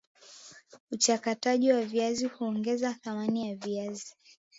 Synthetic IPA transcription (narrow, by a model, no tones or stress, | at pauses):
ut͡ʃakataʄiwaviazihuɔŋɡɛzaθamanijaviazi